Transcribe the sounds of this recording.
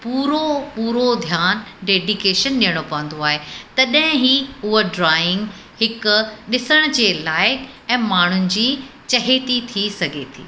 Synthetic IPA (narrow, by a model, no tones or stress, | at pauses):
puːɾopuːɾod̪ʱjaːnɖeːɖikeːʃənɗijəɽ̃opɐʋə̃nd̪oaːɦet̪ɐɗɦɪ̃ɦiːʊɦoɖɾaːɪ̃ŋɡ | hɪkʊɗɪsəɽ̃ʊ̆d͡ʑeːlaːɪk | ɛ̃ːmaːɳ̤ʊnɪ̆d͡ʑiːt͡ɕɐɦet̪it̪ʰisɐɡʱet̪ʰḭː